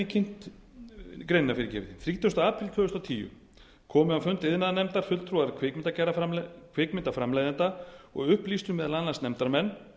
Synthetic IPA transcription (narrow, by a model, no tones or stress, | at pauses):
ɪcʰɪn̥t̪ | kɾejnnafɪɾɪɾcɛ̰ːvɪ̰t̪iθɾiːt̪ʏɔst̪aaːpʰɾɪlt̪ʰœːʏst̪awt̪ʰiːjʏ̰ | kʰɔːmʏafʏnt̪ɪðnaðanɛmt̪aɾ̥fʏlt̪ʰɾuaɾkʰvɪkmɪnt̪acɛɾafakʰvɪːkmɪnt̪afɾamlaːjðɛnt̪aɔ̰ɣʏhpliːst̪ʏmɛðalanlansnɛmt̪aɾmɛnː